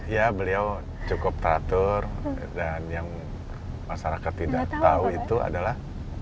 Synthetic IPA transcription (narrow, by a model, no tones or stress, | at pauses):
jabəliaw | t͡ʃukʊp̚t̪əɾat̪ʊrdanjaŋ | maʃaɾakat̪ːidaʔt̪auit̪ua̰dalah